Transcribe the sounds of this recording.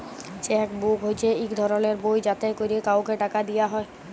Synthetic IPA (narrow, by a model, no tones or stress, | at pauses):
t͡ʃɛkbukɦojt͡ɕʰeikd̪ʱɔɾɔleɾbojd͡ʑat̪ekoɾiekawkeʈakad̪ijaɦɔe